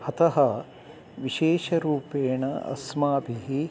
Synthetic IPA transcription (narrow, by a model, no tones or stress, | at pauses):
hɐt̪ɐɦɐ | ʋiʃeːʃɐɾuːpeːɳɐɐ̰smaːbiɦi